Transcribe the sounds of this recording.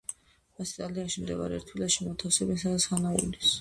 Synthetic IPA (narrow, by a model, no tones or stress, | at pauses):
ast̪ʼaliaʃimd̪ɛva̰ɾɛ̰ɾt̪ʰwilaʃimɔt̪ʰafsɛbɛnsad̪at̪sχanaṵlis